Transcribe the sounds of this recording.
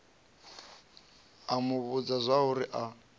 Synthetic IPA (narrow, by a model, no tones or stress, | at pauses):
amʊβud͡zazʷaɦuɾiʔa